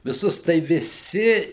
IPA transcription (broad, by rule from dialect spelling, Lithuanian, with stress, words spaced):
ʋʲɪˈsʊs tɐɪ ʋʲɪˈsʲɪ